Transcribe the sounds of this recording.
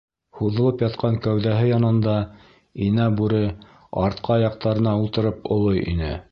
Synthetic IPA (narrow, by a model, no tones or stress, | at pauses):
huðɤ̆lˠɤpjɑt̪qʰɑŋkæwðæɦɘjɑnɤ̆nd̪ɑ | inæbʉɾɘ | ɑɾt̪̚qʰɑjɑq̚t̪ɑɾɤ̆nɑulˠt̪ɤ̆ɾɤpŏlˠɤjʔḭnɘ̰